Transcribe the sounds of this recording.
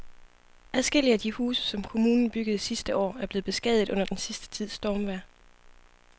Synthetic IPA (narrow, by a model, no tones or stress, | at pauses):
æðˠsɡ̥e̝l̰iəæd̥ihṵːsə̥sɒ̽mkʰo̝muːnn̩b̥yɡ̥əð̩ˠsisd̥əʔɒ̰ːæɐb̥le̝ːb̥e̝sɡ̥ɛðˠð̩ˠɔ̽n̰ɐd̥ensisd̥ə̥t͡sʰið̞̰ˠsd̥ɒːmʋæɐ̰